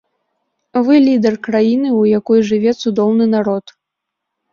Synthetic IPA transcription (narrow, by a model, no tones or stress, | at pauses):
vɨlʲid̪ɛrkɾajinɨujakɔjʐɨvʲɛt̪sud̪ɔwnɨnaɾɔt̪